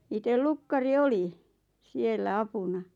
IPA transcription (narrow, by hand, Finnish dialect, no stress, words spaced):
itel lukːɑri oli sielːæ ɑpunɑ